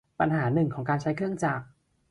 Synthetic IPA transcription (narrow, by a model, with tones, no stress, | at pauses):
pa̰˧nɦaː˩˦nɯ˨˩ŋkʰɔː˩˦ŋkaː˧nt͡ɕʰa˦˥jkʰɯ˥˩əŋt͡ɕaː˨˩k̚